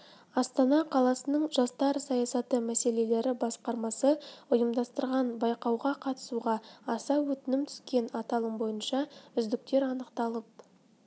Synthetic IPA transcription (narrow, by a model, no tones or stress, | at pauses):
ɑst̪ɑnɑqʰɑlˠɑsənəɴʒ̥ɑst̪ɑɾsɑjɑsɑt̪əmæse̞le̞le̞ɾɪbɑsqɑɾmɑsəʊjəmd̪ɑst̪əɾʁɑnbɑjqɑwʁɑqʰɑt̪ə̥suʁɑɑsɑwɵt̪ɪnɪmt̪ʰʏ̥skʲe̞nɑt̪ɑlˠəmbo̞jənʃɑʏzd̪ɪk̚t̪e̞ɾɑnəqt̪ɑlˠəp̚